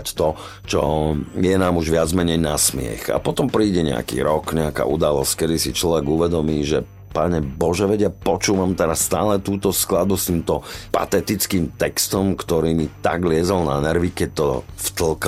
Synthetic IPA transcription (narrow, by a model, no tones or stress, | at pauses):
ct̪ɔ | t͡ʃɔ̰jɛnaːmuʒʋɪad͡zmɛɲɛjnasmɪɛ̰xa̰pɔt̪ɔmpɾiːɟɛɲɛ̰a̰kḭːɾɔkɲɛaka̰ʔud̪alɔsckɛd̪isit͡ʃlɔʋɛɡuʋɛd̪ɔmiːʒɛ | paɲɛbɔʒɛʋɛɟɪapɔt͡ʃuːʋamt̪ɛɾasːt̪a̰ːlɛt̪uːt̪ɔsklad̪̚bust̪iːmt̪ɔpa̰t̪ɛt̪it͡skiːmt̪ɛkst̪ɔmkt̪ɔɾiːmit̪a̰ɡlɪɛzɔlnanɛɾʋikɛc̚t̪ɔft̪l̩k